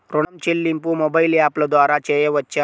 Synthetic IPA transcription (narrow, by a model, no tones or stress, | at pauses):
pɾoɽamt͡ɕelːimpumobailjapləd̪ʋaɾat͡ɕejeʋətːt͡ɕa